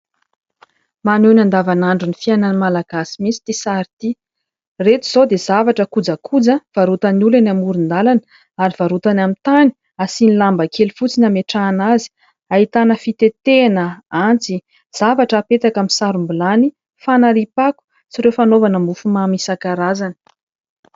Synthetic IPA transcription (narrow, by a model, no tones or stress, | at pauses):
manenand̪avanaɳɖ͡ʐunifiananimalaɡ̥asimit͡si̥t̪isaɾit̪i | ret̪uz̥od̪ez̥avaʈ͡ʂəkud͡zəkʰud͡zəv̥aɾut̪anulanamuɾind̪alanə | aɾiv̥aɾut̪anamit̪ani̥ | asinilambəkʰelifut͡sinameʈ͡ʂaːnazi̥ | aɦit̪anəfit̪et̪enəant͡si | z̥avaʈ͡ʂəːpet̪akamisaɾumbulani | fanaɾipaku̥ | t͡siɾewfanovanəmufumamisakaɾazanə̥